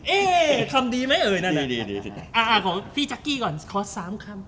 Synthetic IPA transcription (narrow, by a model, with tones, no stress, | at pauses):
ʔeː˧kʰa˧mdiː˧ma˦˥jʔɤː˧jna˦˧˥na˧i˧ʔaː˧˩ʔaː˧˩pʰɔ˨˦fʰiː˧˩t͡ɕa˦˥kːiː˥˩kɔː˨˩nkʰɔː˧˥saː˨˩˦mkʰa˧˥˩m